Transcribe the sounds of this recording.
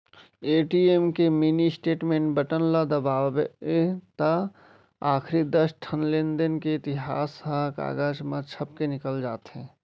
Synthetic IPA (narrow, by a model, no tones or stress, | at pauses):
eːʈiemkeminisʈeːʈmẽːɳʈbəʈənlad̪əbaːbeet̪a | aːkʰɾid̪əsʈʰənlɪnd̪ənkeɪt̪ɪɦaːsaɦka̰ːɡaːd͡ʒmət͡ʃʰəpkenɪkəld͡ʒaːt̪ɦɛ̃